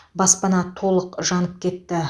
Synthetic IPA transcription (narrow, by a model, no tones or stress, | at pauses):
bɑspɑnɑt̪ʰo̞lˠəqʒɑnəp̚kʲʰe̞t̪ːɪ